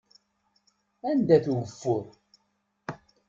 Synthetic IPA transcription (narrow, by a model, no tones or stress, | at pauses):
ænd̪æθuwəfːʊɾ